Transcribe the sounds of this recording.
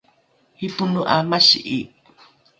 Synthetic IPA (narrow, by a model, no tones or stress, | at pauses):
hipunuʔamaʃḭʔi